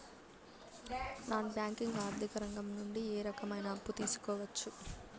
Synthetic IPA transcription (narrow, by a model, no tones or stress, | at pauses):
naːnbjaːŋkiŋɡaːɾd̪ʱikɐɾɐŋɡɐmnuɳɖieːɾɐkɐmɐjnɐːpːut̪iːsu̥kɔːʋɐt͡ʃːu